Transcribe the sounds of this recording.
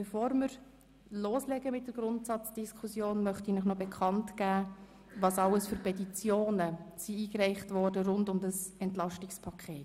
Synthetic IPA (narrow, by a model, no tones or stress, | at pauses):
b̥ɛfoːɾmɪɾ | loːslɛɡəmɪt̚d̥əɡ̥ɾʊntsɑt͡sd̥iskʰχusjoːnmœχtinəχnɔbɛkʰɑntɡ̥æː | ʋɑːsɑləsføɾpʰɛtit͡sjoːnəsiiːkræɪχtʋɔːɾdəɾʊndʊmdəsɛntlɑʃtɪkspʰɑkʰχeːt